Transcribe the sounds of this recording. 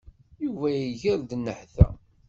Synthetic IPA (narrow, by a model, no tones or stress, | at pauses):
juvæjiʝəɾd̪nːəħθæ̰